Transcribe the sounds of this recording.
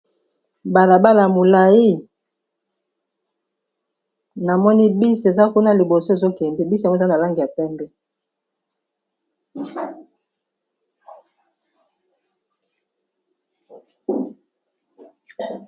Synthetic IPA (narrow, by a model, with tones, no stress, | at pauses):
ba˨la˨ba˦la˨a˨mo˨la˨ji˦ | na˨mɔ˦ni˦bi˦se˨za˦ku˦na˦li˨bo˨so˦e˨zo˦kɛ˨ndɛ˦˨bi˦sŋ˦˨˦na˨la˦ŋɡi˨ja˨pɛ˦mbɛ˦